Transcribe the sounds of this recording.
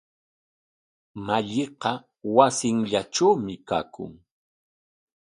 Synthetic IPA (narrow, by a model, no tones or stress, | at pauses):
maʎɪqɑ | wasɪŋʎaʈ͡ʂawmɪka̰ːkʊ̰ŋ